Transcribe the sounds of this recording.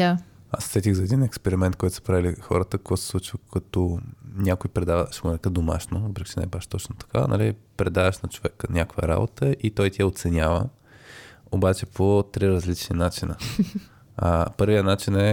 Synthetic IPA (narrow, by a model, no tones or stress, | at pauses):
aassɛt̪ʲiɣzɐɛd̪inɛkspɛɾimɛnt̪kɔjt̪ʊ̥sə̥pɾavilixɔ̰ɾət̪əkoɡasslˠut͡ʃkɐt̪ɔnʲjakojpɾɛd̪avəʃɡonɛkəd̪oma̰ʃnovəpɾikʲi̥t͡ʃɛnɛ̰ɛbaʃt̪ɔt͡ʃnot̪ɐ̥ka̰nɐ̰lipɾɛd̪avəʃnɐt͡ʃovɛkənʲakvə̰ɾa̰bot̪əʔit̪ɔjt̪iɛot̪sɛnʲavə̰ | obat͡ʃɛpʰot̪ɾiɾɐzlit͡ʃninat͡ʃinə̰ | pɤɾvijənat͡ʃinɛ